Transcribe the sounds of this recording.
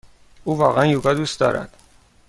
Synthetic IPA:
uːvɒːɣænjuɡɒd̪ust̪d̪ɒ̰ːɾæ̰d̪̥

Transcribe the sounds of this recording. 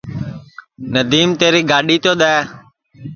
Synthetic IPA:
nəd̪iːmt̪eːɾiːɡaːɗiːt̪oːɗ̪aː

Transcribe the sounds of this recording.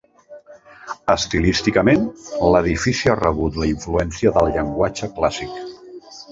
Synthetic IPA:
əst̪ilist̪ikəmenləðifisiarəβ̞ut̪ləiɱfluɛnsiəðəlˠʎəŋɡwat͡ʃəklasik

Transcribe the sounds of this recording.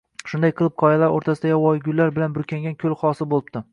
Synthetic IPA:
ʃʊnd̪ajqʰɨlˠɨp̚qʰɒjalaɾoɾt̪ʰasɪd̪ajwɒjɡʲʊlːaɾbɪlanbʊɾkʲʰaŋɡʲankʲʰɵlˠχɒsɪbolˠɪbt̪ɪ

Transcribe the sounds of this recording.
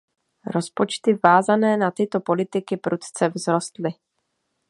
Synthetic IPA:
ɾo̞spot͡ʃt̪ɪvaːzanɛːnat̪ɪt̪opo̞lɪt̪ɪkɪpɾʔut̪t͡sɛvzɾost̪lɪ

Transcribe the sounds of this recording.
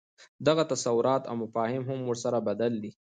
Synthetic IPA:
d̪aɣat̪asawʊɾɑt̪a̰wmʊfɑːhɪmɦʊmwʊɾsaɾabad̪ald̪i

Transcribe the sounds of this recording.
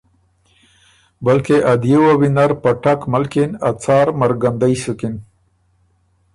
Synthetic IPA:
balkeʔad̪jewawinaɾpaʈakmalkinat͡sɑːɾmaɾɡand̪ajsukin

